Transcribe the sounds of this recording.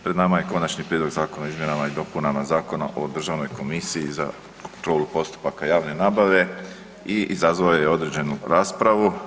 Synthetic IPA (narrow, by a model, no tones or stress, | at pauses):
pɾed̪naːmaje̞ko̞nat͡ʃnipɾjed̪lo̞ɡzaːko̞naizmjenamaid̪o̞punamazaːko̞na̰ʔo̞d̪r̩ʒaːʋno̞jko̞misijiza̰ | kont̪ɾo̞ːlupo̞st̪u̥pakajaːʋne̞naːbaʋe̞ | iʔizazʋajojeo̞d̪ɾe̞d͡ʑe̞nuɾaːspɾaʋu